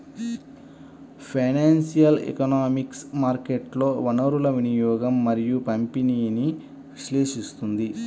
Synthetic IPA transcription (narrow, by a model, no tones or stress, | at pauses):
pʰɐjnaːnsijɐlḛkɐnaːmiksmaːɾkeʈlo̞ːʋɐnɐɾulɐʋinijɔːɡɐmːɐɾijupɐmpiniːni | ʋiʃleːʃist̪und̪i